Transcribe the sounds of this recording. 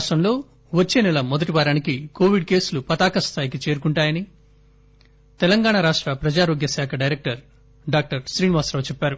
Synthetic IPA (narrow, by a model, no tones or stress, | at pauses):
ʂʈɐmlo̞ː | ʋɐt͡ʃːe̞ːnɛlɐmɔd̪ɐʈiʋaːɾaːnikiko̞ːʋiɖ̚ke̞ːsulupɐt̪aːkɐst̪ʰaːjikit͡ʃe̞ːɾukuɳʈaːjɐni | t̪ɛlɐŋɡaːɳaɾaːʂʈɾɐpɾɐd͡ʒaːɾoːɡjɐsaːkʰɐɖɐjɾek̚ʈɐɾ | ɖaːk̚ʈɐɾʃɾiːniʋaːsɾɐʋt͡ʃɛpːaːɾu